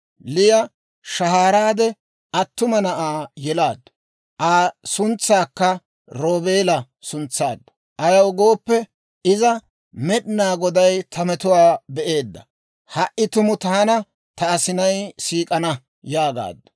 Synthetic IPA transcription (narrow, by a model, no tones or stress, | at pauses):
lɪjɐ | ʃɐɦaːɾaːd̪ɛ | ɐt̪ːʊmɐnɐʔaːjɛlaːd̪ːɐ | ʔaːsʊnt͡sːaːkːɐ | ɾo̞ːbeːlɐ | sʊnt͡sːa̰ːd̪ːɐ̥ | ʔɐjɐwɡoːpːɛ | ɪzɐ | mɛɗnaːɡɔd̪ɐjt̪ʰɐmɛt̪ʊwaːbɛʔe̞ːd̪ːɐ | hɐʔːɪt̪ʊmʊt̪aːnɐ | t̪ɐːsɪnɐjsiːkʼɐnɐ | jaːɡa̰ːd̪ːɐ̥